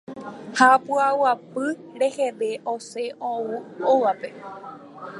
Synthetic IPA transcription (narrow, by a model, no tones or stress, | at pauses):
hapuawapɨɾe̞hedeʔoseʔõuoʋape̞